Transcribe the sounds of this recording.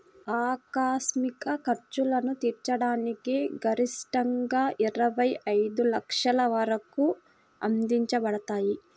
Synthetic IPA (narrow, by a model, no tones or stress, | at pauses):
aːkaːsmikɐkɐɾt͡ʃulɐnut̪iːɾt͡ʃɐɽaːnikiɡɐɾisʈɐŋɡaːʔiɾɐʋɐjɐjd̪ulɐkʂɐlɐʋɐɾɐku | ɐ̰nd̪iɲt͡ʃɐbɐɽɐt̪aːji